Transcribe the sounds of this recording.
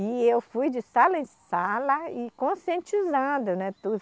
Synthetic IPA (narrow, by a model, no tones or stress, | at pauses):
ɪewfujd͡ʒɪsalɐẽsalɐɪkõsiẽnt͡ʃizɐ̃d̪ʊnɛt̪u